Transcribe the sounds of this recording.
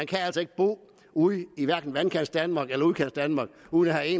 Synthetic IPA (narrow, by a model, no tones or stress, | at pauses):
ænkʰææl̰sɐe̝ɡ̥əb̥o̝̰ː | uðˠiʋæɐɡ̥n̩ʋænkʰænsd̥ænmɑ̈ɡ̥elɐuð̩ˠkʰæn̰sd̥ænmɑ̈ːɡ̥uːðˠnæhæe̝ːn